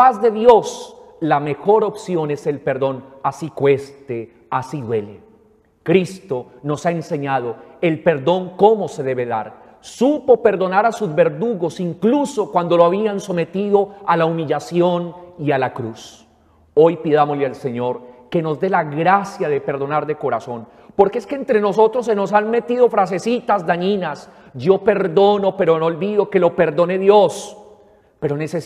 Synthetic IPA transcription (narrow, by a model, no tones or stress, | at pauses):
pazðe̞ðjo̞slame̞xo̞ɾo̞psjo̞ne̞se̞lpe̞ɾðo̞nasikwe̞st̪e | asiðwe̞le | kɾist̪o̞no̞saense̞ɲað̞o̞e̞lpe̞ɾðo̞ŋko̞mo̞se̞ðe̞βe̞ða̰ɾ | supo̞pe̞ɾðo̞naɾasuzβe̞ɾðuɣo̞siŋkluso̞kwand̪oloaβianso̞me̞t̪iðo̞alaumiʎasjo̞nialakɾus | o̞jpiðamo̞zlealse̞ɲo̞ɾke̞no̞zd̪e̞laɣɾasjaðe̞pe̞ɾðo̞naɾd̪e̞ko̞ɾaso̞n | po̞ɾkeeskeːnt̪ɾe̞no̞so̞t̪ɾo̞s̬ːeno̞sanme̞t̪iðo̞fɾas̬e̞sit̪azd̪aɲinas | d͡ʒo̞pe̞ɾd̪o̞no̞pe̞ɾonoolbiðo̞ke̞lo̞pe̞ɾd̪o̞ne̞ðjo̞s | pe̞ɾo̞nese